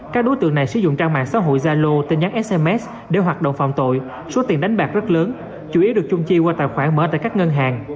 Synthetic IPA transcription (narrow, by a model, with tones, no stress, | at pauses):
kaː˦˥k̚ɗo˨˦jt̪ɨ̰˧˨əŋna˨˩jsɨ̰˧˩zʊ̰˧˨ŋ͡mt͡ɕaː˧ŋma̰ː˧˨ŋsaː˨˦ɦo̰˧˨jzaː˧lo˧t̪e˧˩nɲa˨˦˥ŋʔɛ˦˥sʔɛ˧mʔɛ˦˥s | ɗe˧˩ɦwaː˨˩t̚ɗə̰˧˨wŋ͡mfa̰˧˨wŋ͡mt̪o̰˧˨j | so˨˦t̪i˨˩nɗa˨˦jŋ̟ɓaː˨˩k̚zə˦˥t̚ləː˨˦n | t͡ɕu˧˩ʔi˨˦əɗɨ˨˩ək̚t͡ɕʊ˧ŋ͡mt͡ɕi˧waː˧t̪a̰ː˧˨˩xwaː˧˩ŋməː˨˦t̪a̰ː˧˨jkaː˦˥k̚ŋə˧nɦaː˨˩ŋ